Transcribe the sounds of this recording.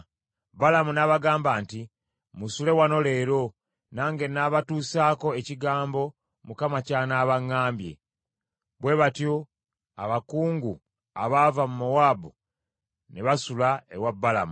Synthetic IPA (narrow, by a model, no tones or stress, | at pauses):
balamunaβaɡaːmbaːnti | musule̞wano̞le̞ːɾo̞ | naːŋɡe̞naβatuːsaːko̞e̞ciɡaːmbo̞ | mukamacaːnaːβaŋːaːmbje̞̰ | βwe̞βatjo̞ | a̰βakuːŋɡu | a̰βavamumowaːbu | neβasulaḛwabːalamu